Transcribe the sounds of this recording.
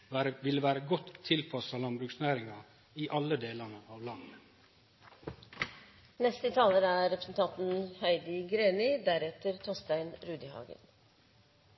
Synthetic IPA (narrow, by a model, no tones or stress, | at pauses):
æɾəʋɪləʋæːɾəɡɔt̪ʰːɪlpʰɑsɑːlɑnbɾʉːksnæːɾɪŋɑ | iʔɑləd̪eːlɑnəʔɑːʋlɑnː | nɛst̪ət̪ʰɑːləɾæːɾɾɛpɾəsn̩t̪ʰɑnt̪n̩hœɪd̪ɪɡɾeːnɪd̪æɾɛt̪əɾt̪ʰɔst̪æɪnɾʉːd̪ɪhɑ̰ːɡə̰n